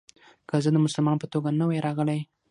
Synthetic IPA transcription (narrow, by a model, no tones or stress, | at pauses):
kəzəd̪əmʊsʊlmɑnpət̪oɡanəwajɾɑɣəlaj